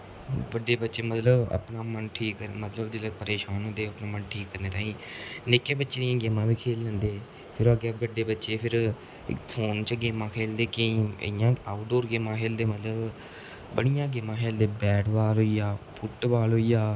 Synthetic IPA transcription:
ʋəɖːeːbətːʃeːmət̪ləbə̰pnãːmənʈʰiːkːəɾmət̪ləbd͡ʒelepəɾeːʃaːnɦõːnd̪eːəpnãːmənʈʰiːkːəɾneːt̪ãːĩːnɪkːeːbətːʃeːd̪ɪjãːɡeːmãːbiːkʰeːlːɛ̃ːnd̪eː | pʰɪɾaːɡːʋəɖeːbətːʃeːpʰɪɾ | pʰoːnt͡ʃɡeːmãːkʰeːld̪eːkəḭ̃ːjãːaːɖoːɾɡeːmãːkʰeːld̪eːmət̪ləb | bəɽijãːɡeːmãːkʰeːld̪eːbɛːɖʋaːlɦoːijaːpʰʊʈʋaːlɦoːiːjaː

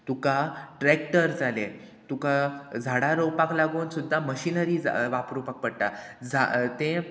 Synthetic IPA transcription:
t̪ukaʈɾekʈəɾd͡zʱale | t̪ukad͡zʱaɽaɾowpaklaɡuːnsud̪ʱːaməɕinəɾiːd͡za̰ʋapɾupak̚pəɽt̪a | d͡zʱa̰t̪ẽ

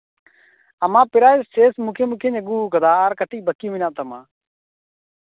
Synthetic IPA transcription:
əmãːpɪɾaːeseːsmũːkʰeːmuːkʰeːɲeɡuːkəd̪aːaːɾkəʈiːbəkjũːʋɪnãːt̪əmãː

